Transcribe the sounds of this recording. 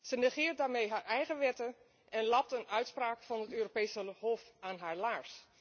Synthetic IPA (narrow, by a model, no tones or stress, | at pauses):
sənɛχɪːɹt̚daːɹmejɦaːɹɛjχəʋɛtə | ʔɛnlɑp̚tənœɥtspraːkfɑnətøːropejsəhofaːnɦaːɹlaːɹs